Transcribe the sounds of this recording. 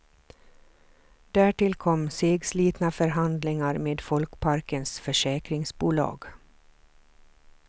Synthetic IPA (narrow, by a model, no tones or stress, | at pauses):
d̪̥æːʈɪlkʰɔmseːɡsliːt̪nafœɾɦand̪lɪŋaɾmeːd̪fɔlkpʰaɾkənsfœʂɛːkɾɪŋsbuːlɑ̰ːɡ